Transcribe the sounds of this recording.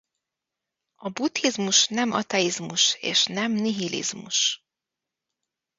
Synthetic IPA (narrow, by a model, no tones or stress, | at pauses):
ɒbut̪hizmuʃnɛmɒ̰t̪ɛizmuʃḛːʃnɛmniɦilḭzmṵʃ